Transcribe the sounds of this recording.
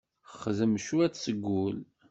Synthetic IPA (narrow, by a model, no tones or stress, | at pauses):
χðəmʃuæt͡ssəɡʷːʊl